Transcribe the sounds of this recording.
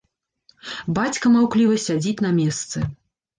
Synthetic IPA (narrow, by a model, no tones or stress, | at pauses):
bat͡sʲkɐmawklʲivɐsʲad͡zʲit͡sʲnɐmʲɛst̪sɨ